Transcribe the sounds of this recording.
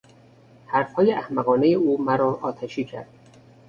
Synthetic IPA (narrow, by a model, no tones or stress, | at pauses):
hæɾfhɒːjeæhmæɣɒːnejeuːmæɾɒːʔɒːt̪ʰæʃiːcʰæ̰ɾd̪̥